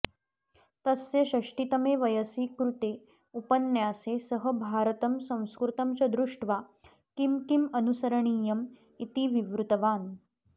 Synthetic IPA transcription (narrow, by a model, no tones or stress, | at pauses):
t̪ɐsːeɕɐʂʈit̪ɐmeʋɐjəsiːkɾut̪e | upənjaːsesəɦəbʱaːɾt̪ɐmsɐ̃w̃skɾut̪ɐmt͡ɕɐd̪ɾuʂʈʋa | kimkimɐnusɐɾɐɳ̃iːjɐm | it̪iʋiʋɾut̪ɐʋaːn